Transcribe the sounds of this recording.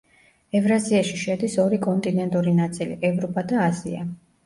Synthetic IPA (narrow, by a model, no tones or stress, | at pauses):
ɛvɾaziaʃiʃɛd̪isɔɾikʼɔnt̪ʼinɛnt̪ʼuɾinat̪sʼilḭʔɛvɾɔpʼad̪aːzḭa̰